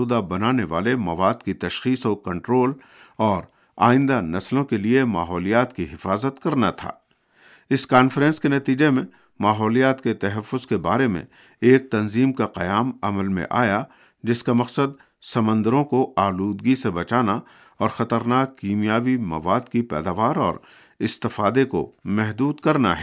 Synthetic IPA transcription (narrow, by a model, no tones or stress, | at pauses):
uːd̪abɐnaːneʋaːlemɐʋaːd̪kit̪ɐʃxiːsɔːkɐ̃ɳʈɾoːl | ɔːɾ | a̰ːɪ̃nd̪anɐslõkeliemaːɦɔːlijaːt̪kiɦɪfaːzət̪kɐɾnat̪ʰa̰ː | ɪskaːnfɾɛ̃ːnskenɐt̪iːd͡ʒemẽ | maːɦɔːlijaːt̪ket̪ɦɛfːʊzkebaːɾemḛ̃ | eːk̚t̪ɐnziːmkaqɐjaːmɐməlmḛ̃ʔa̰ːja | d͡ʒɪskamɐqsəd̪ | sɐmə̃nd̪əɾõkoaːluːd̪ɡisebɐt͡ʃaːna | ɔːɾxɐt̪əɾnaːkːiːmijaːbimɐ̰ʋaːd̪kipɛ̰ːd̪aːʋaːɾɔ̰ːɾ | ɪst̪ɪfaːd̪eko̰mɛɦd̪uːd̪kɐɾna̰ɦɛː